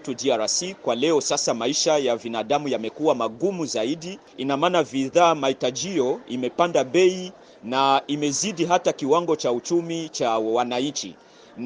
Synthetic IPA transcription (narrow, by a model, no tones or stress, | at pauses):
tudiaɾasikwalɛɔsasamaiʃajavinaɗamujamɛkuwamaɠumuzaiɗi | inamaːnaviðaːmahitad͡ʒijɔimɛpandaɓɛi | naimɛziɗiɦatakiwaŋɡɔt͡ʃaut͡ʃumit͡ʃawanaɲt͡ʃḭ | n